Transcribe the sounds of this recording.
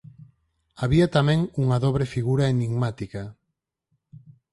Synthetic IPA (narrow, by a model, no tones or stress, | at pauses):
aβiat̪amɛ̃ŋuŋɐðoβ̞ɾefiɣuɾaeniŋmat̪ika